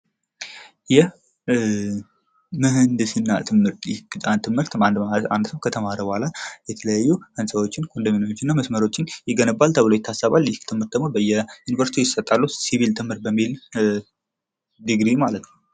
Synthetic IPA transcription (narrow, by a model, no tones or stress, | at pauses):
jɛh | mɨɦɨnd̪ɨsɨnːat̪ʰɨmːɨɾt̪jɪhɡɨt̪ʼant̪ʰɨmːɨɾt̪and̪aa̰nd̪səwkʰət̪ʰəmaɾəbohalajɛt̪ʰələjajːuhɨnsəwo̞t͡ʃːɪnkʰond̪əmenjot͡ʃːɪnːaməsməɾo̞t͡ʃːɪnjɪɡənəbːalt̪ʰəβɨlojt̪ʰasaβaljɪhkt̪ʰɨmhɨɾt̪̚d̪əɡmobəjːɛjunivəɾsit̪ijɪsət̪ʼːalːusiβilt̪ʰɨmhɨɾbəmːil | d̪ɨɡɾimalət̪nəww